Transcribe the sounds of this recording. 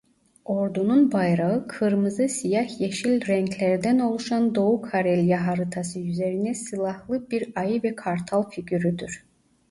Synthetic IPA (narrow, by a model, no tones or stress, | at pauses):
o̞ɾd̪ununbajɾaɯkʰɯɾmɯzɯsijahjeʃilʲɾɛɲcʰlʲæɾd̪æno̞lˠuʃand̪o̞ukʰaɾɛlʲjaɦaɾɯt̪ʰasɯjyze̞ɾinɛsɯlˠahlˠɯbiɾajɯvɛkʰaɾt̪ʰalˠficʰyɾyd̪yɾ̥